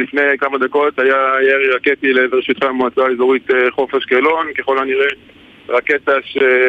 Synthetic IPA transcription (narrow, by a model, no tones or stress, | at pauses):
lifnejkamad̪ako̞t̪ajajeʁiʁaket̪ileeveʃijt̪χamoat͡saezoʁit̪eχo̞feʃkelo̞nkeχolaniʁe | ʁaket̪aʃe